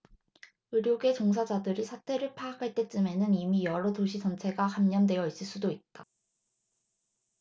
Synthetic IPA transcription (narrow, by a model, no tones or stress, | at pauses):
ɯɾjoɡe̞t͡ɕoŋs̬ʰad͡ʑadɯɾisʰatʰe̞ɾɯɭpʰaakʰaɭt͈e̞t͡ɕ͈ɯme̞nɯnimijʌɾʌtoɕʰit͡ɕʌnt͡ɕʰe̞ɡakamɲʌndwe̞jʌis͈ɯɭs͈udoit̚t͈a